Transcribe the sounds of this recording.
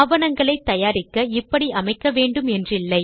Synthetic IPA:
ʋɐnɐŋɡɐɭɐɪt̪ːɐjaːɾɪkːɐɪpːɐɽiʔɐmɐɪkːɐʋeːɳɖɯmɛndrɪlːɐɪ

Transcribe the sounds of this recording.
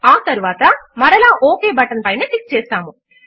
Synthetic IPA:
aːt̪ɐɾuʋaːt̪ɐmɐɾɐlaːʔoːkeːbɐʈɐnpɐjneːʈik̚s̚t͡ʃɛːst̪aːmu

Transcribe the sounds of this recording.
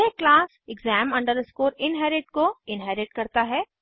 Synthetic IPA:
eklaːs | ɪɡzɛːmɐ̃ɳɖəɾskoːɾɪnɦɛɾɪʈkoɪnɦɛɾɪʈ̚kɐɾt̪aɦɛː

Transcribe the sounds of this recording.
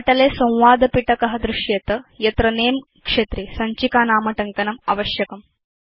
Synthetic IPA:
ɐʈɐleːsɐ̃w̃ʋaːd̪ɐpiʈɐkɐɦɐd̪ɾuʃjɐt̪ɐjɐt̪ɾɐneːm | kʂet̪ɾisɐɲt͡ʃikaːnaːmɐʈɐŋkɐnɐmɐ̰ʋɐʃjɐkɐm

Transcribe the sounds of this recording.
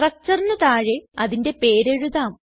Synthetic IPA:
rɐk̚t͡ɕːɐrnɐt̪aːɻeɐðinde̞pe̞ːɾeɻuðaːm

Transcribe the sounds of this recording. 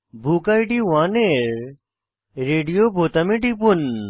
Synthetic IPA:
bʱukajʈiwaːneɾ | ɾeːɖijobʱoːt̪ɐmiʈipun

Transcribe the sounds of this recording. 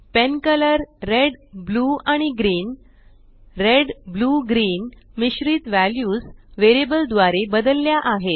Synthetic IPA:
penkələɾːeɖbluaɽ̃iɡɾiːn | ɾeɖbluːɡɾiːnmiɕɾiːt̪ʋæljuːsʋeɾibəld̪ʋaɾebəd̪əlːjaʔaɦet̪

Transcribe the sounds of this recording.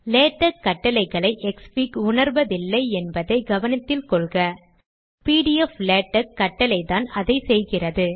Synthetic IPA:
leːʈːɐkːɐʈːɐlɐɪɣɐɭɐɪʔɛkspiːkʊɳɐɾʋɐðɪlːɐɪɛnbɐðɐɪɡɐʋɐnɐt̪ːɪlkɔɭɣɐ | piːɽɪɛfleːʈːɐkːɐʈːɐlɐɪt̪aːnɐðɐɪsɛjɣɪrɐðɯ

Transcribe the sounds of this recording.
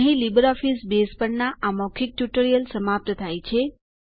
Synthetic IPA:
ɦĩlibəɾɔfisbespəɳnaamɔkʰik̚ʈjuʈəɾijəlsəmap̚t̪ət̪ʰajt͡ʃʰe

